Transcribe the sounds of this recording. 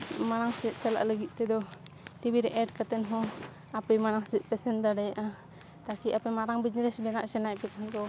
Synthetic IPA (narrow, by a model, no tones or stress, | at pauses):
maɾaŋsɛt̪̚t͡ʃala̰ʔləɡit̪̚ˀt̪ɛd̪ɔ | t̪ibiɾɛʔɛɖ̚kat̪ɛnɦɔ̃ | apɛmaɾaŋsɛt̪̚pɛsɛnd̪aɖajaʔa | t̪akiʔapɛmaɾaŋbid͡ʒɾɛsbɛnaʔt͡ʃɛnajpɛt̪aɦankɔ